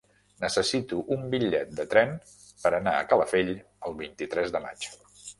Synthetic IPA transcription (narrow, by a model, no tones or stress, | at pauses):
nəsəsit̪uʔumbiʎɛt̪̚d̪ət̪ɾɛn | pəɾənaə̰kələfeʎ | əlˠβint̪it̪ɾɛzðəma̰t͡ʃ